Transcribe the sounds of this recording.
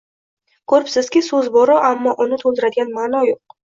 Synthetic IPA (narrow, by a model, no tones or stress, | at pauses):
kʰɵɾɪpsɪz̥kʲɪsɵzbɒɾɒʔamːɒʔʊnɪt̪ʰolˠd̪ɪɾad̪ɪɡʲanmaːnɒjoq̚